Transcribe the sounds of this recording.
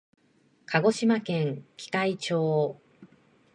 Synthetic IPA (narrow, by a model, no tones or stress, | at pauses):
kʰaɡo̞ɕimakẽ̞ŋkʲi̥kait͡ɕo̞ː